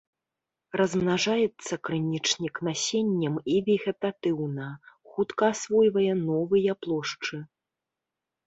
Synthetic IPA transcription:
rɐzmnaʐajɛt̪sːɐkɾɨnʲit͡ʂnʲiknasʲenʲːɐmivʲɛɣʲɛt̪at̪ɨwnɐxut̪kɐːsvɔjvɐjɛnɔvɨjɐplˠɔʂt͡ʂɨ

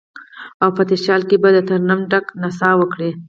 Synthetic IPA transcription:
awpət̪ɪʃɑlkebad̪ət̪aɾnamɖaknasɑwəkɽe

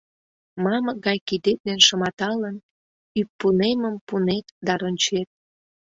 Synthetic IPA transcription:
mɑməɡɑjkid̪et̪̚nenʃə̆mɑt̪ɑlən | yp̚ːuneməmpunet̪d̪ɑɾonʲt͡ɕet̪̚

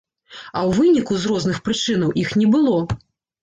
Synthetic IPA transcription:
ɐwvɨnʲikuzɾɔznɨxpɾɨt͡ʂɨnɐwʔixnʲɛbɨlˠɔ

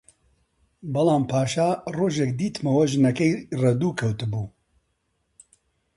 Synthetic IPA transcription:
bɐlaːmpʰaːʃaːroːʒɛkd̪iːt̪mɐwɐʒɨnɐkɐjrɐd̪uːkʰɐwt̪ɨbuː

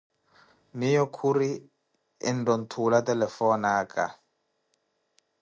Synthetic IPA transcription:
nijɔkʰuri | ɛ̰ndɔntʰulatɛlɛfɔnaːka̰

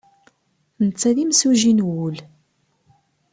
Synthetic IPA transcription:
nət͡sːæðimsuʒinwul

